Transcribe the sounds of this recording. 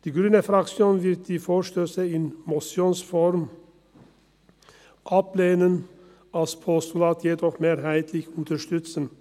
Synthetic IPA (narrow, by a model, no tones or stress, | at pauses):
d̪̥iːɡɾʉːnəfɾɑksjoːnʋɪɾt̪̚d̪̥iːfoːʃtøːsəɪnmɔsjoːnsfɔɾm | ʔɑpleːnən | ʔɑlspʰɔst̪ʊlɑːt̪ʰjeːd̪ɔχmeːɾɦæɪt̪ʰlɪçʊnt̪əʃt̪ʏt̪sən̩